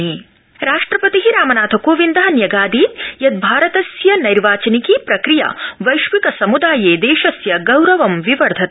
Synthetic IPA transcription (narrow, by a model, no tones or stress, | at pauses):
iː | ɾaːʂʈɾɐpɐt̪iɦiɾaːmɐnaːt̪ʰɐkoːʋind̪ɐɦɐnjɐɡaːd̪iːt̪jɐt̪̚bʱaːɾɐt̪ɐsjɐnɐjɾʋaːt͡ʃɐnikiːpɾɐkɾija̰ʋɐjʃʋikɐsɐmud̪aːjeːd̪eːʃɐsjɐɡɐwɾɐʋɐmʋiʋɐɾd̪ʱɐt̪